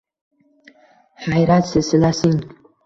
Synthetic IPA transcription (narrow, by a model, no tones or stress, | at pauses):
hajɾat̪sɪsɪlasɪŋ